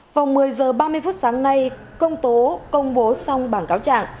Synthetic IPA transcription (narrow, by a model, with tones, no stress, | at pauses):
va˨˩wŋ͡mmɨ˨˩əjzəː˨˩ɓaː˧mɨ˧əjfu˦˥t̚saː˨˦ŋna˧j | kə˧wŋ͡mt̪o˨˦kə˧wŋ͡mɓo˨˦sɔ˧wŋ͡mɓaː˧˩nkaː˨˦wt͡ɕa̰ː˧˨ŋ